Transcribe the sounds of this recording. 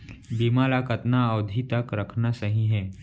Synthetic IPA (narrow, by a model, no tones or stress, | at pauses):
biːmaːlaːkət̪naəːd̪ʱit̪ɐkɾɐkʰnasɐɦĩɦɛː